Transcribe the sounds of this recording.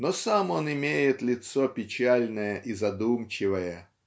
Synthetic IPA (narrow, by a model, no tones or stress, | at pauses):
nosamo̞nɪmʲejɪt̪lʲɪt̪sopʲɪt͡ɕalʲnəjəʔizɐd̪umt͡ɕɪvəjə